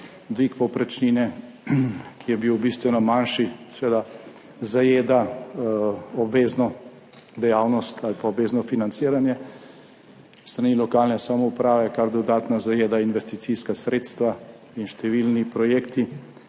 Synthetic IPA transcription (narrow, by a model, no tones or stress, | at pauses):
d̪ʋikpɔpɾɛt͡ʃninɛ | kʰijɛbiwbist̪ʋɛnɔmanʃisɛʋeːd̪a | zajeːd̪a | ɔbʋeːznɔ | d̪ɛjaːwnɔst̪alpaobʋeːznɔfinant̪siːɾanjɛ | st̪ɾaniːlɔkaːlnɛsamɔupɾaːʋɛkaɾd̪ɔd̪aːt̪nazajeːd̪ainʋɛst̪it̪siskasɾeːt̪st̪ʋa | inʃt̪ɛʋilnipɾɔjeːkt̪i